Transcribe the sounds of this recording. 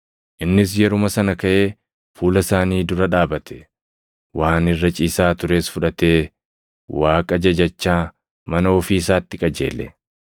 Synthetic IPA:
ʔɪnːɪs̬jɛɾʊmɐsɐnɐkɐʔe̞ː | fuːlɐsaːniːd̪ʊɾɐᶑaːbɐt̪ʰɛ̥ | waːnɪrːɐt͡ʃʼiːsaːt̪ʊɾe̞ːsfʊᶑɐt̪e̞ː | waːkʼɐd͡ʒɐd͡ʒɐt͡ʃːaː | mɐnɐɔfiːsaːt̪ːɪkʼɐd͡ʒe̞̰ːlːɛ̰

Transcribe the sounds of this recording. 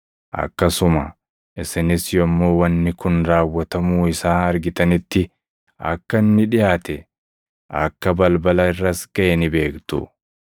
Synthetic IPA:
ʔɐ̰kːɐsʊmɐ | ʔɪsɪnɪsjɔmːo̞ːwɐnːɪkʊnɾaːwːɐt̪ɐmuːɪsaːɐɾɡɪt̪ɐnɪt̪ːɪ | ɐ̰kːɐnːɪᶑɪjaːt̪ɛ | ʔɐkːɐbɐlbɐlɐɪrːɐsɡ̥ɐʔɛnɪbe̞ːkt̪ʊ̰

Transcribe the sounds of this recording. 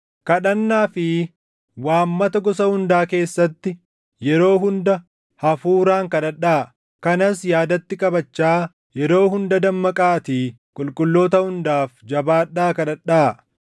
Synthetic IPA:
kɐᶑɐnːaːfɪ | waːmːɐt̪ɐɡɔsɐhʊnd̪aːke̞ːsːɐt̪ːɪ | jɛɾo̞ːɦʊnd̪ɐ | hɐfuːɾaːŋkɐᶑɐᶑaː | kɐnɐsjaːd̪ɐt̪ːɪkʼɐbɐt͡ʃːaː | jɛɾo̞ːɦʊnd̪ɐd̪ɐmːɐkʼaːt̪iː | kʼʊlkʼʊlːo̞ːt̪ɐhʊnd̪aːfd͡ʒɐbaːᶑaːkɐᶑɐᶑaː

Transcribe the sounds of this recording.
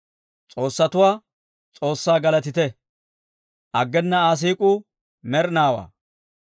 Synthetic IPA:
t͡sʼo̞ːsːɐt̪ʊwaː | t͡sʼo̞ːsːaːɡɐlɐt̪ɪt̪ɛ | ʔɐɡːɛnːɐaːs̬iːkʼʊ | mɛɾnaːwa̰ː

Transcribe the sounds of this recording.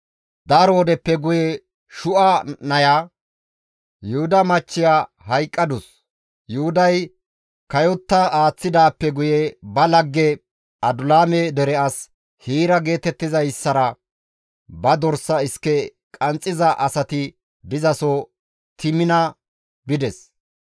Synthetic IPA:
d̪ɐɾoːd̪ɛpːɛɡʊjɛ | ʃʊʔɐnɐja | jʊhʊd̪ɐmɐt͡ʃːɪjaː | hɐjkʼːɐd̪ʊs | jʊhʊd̪ɐj | kɐjɔt̪ːɐaːt͡sːɪd̪aːpːɛɡʊjɛbɐlɐɡːɛ | ɐd̪ʊlaːmɛd̪ɛɾɛɐs | hiːɾɐɡe̞ːt̪ɛt̪ːɪzɐjsːɐɾɐ | bɐd̪ɔɾsɐɪskːɛ | kʼɐnt͡sʼːɪzɐʔɐsɐt̪ɪ | d̪ɪzɐsɔ | t̪ʰɪmɪnɐ | bɪd̪ɛs

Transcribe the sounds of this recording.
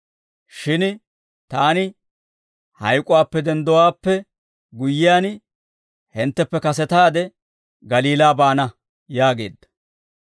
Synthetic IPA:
ʃɪn | t̪aːnɪ | hɐjkʼʊwaːpːɛd̪ɛnd̪ɔwaːpːɛ | ɡʊjːɪjaːn | hɪnt̪ːɛpːɛkɐsɛt̪aːd̪ɛ | ɡɐliːlaːbaːnɐ | jaːɡe̞̰ːd̪ːɐ̥

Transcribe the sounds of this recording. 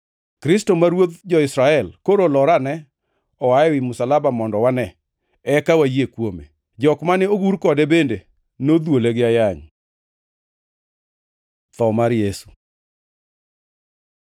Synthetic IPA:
kɾɪstomaɾwot̪d͡ʒɔɪsɾaɛlkoɾolɔɾanɛ | ɔaɛwɪmʊsalabamɔndɔwanɛ | ɛkawajekwomḛ | d͡ʒɔkmanɛoɡuɾkɔdɛbende | nod̪woleɡɪajaɲ | t̪ɔmaɾjesu̥

